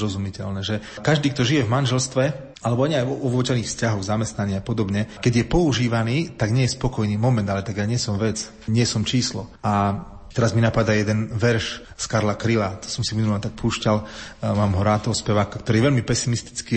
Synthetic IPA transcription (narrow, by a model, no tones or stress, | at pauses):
ɾɔzumicɛlnɛʒɛ | kaʒd̪iːk̚t̪ɔʒijɛvmanʒɛlst̪ʋɛ | alɛbɔaɲɛajɔɔʋʊɔcɛniːxfscaɦɔɣzamɛst̪naɲiapɔd̪ɔbɲɛkɛɟjɛpɔuʒiːʋaniːt̪aɡɲɪɛjɛspɔkɔjniːmɔmɛnd̪alɛt̪aɡjaɲɪɛsɔmʋɛt͡s | ɲɪɛsɔmt͡ʃiːslɔa | t̪ɛɾazminapad̪ajɛd̪ɛnʋɛɾʃ | skaɾlakɾilat̪ɔ̥sɔmsiminulaɲt̪ak̚puːʃcalmaːmɦɔɾaːt̪ɔɦɔspɛʋaːkakt̪ɔɾiːʋɛʎmipɛsimist̪i̥t͡ski